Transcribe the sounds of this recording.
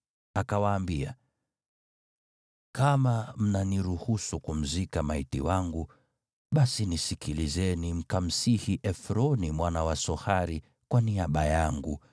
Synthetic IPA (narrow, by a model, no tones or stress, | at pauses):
akawaːmbia̰ | kamam̩naniɾuhusukum̩zikamaitḭwaŋɡu | ɓasinisikilizɛnim̩kam̩sihiʔɛfɾɔnimwanawasɔhaɾi | kwaniaɓajaŋɡṵ